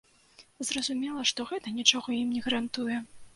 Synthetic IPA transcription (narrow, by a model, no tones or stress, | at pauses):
zrɐzumʲɛlˠɐʂt̪ɔɣɛt̪ɐnʲit͡ʂɔɣɔimnʲɛɣɐɾant̪ujɛ